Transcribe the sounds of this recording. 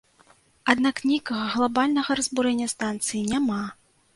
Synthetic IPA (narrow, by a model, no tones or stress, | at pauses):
ad̪naknʲikɐɣɐɣlˠabalʲnɐɣɐɾɐzbuɾɛnʲːɐst̪ant̪sɨjinʲama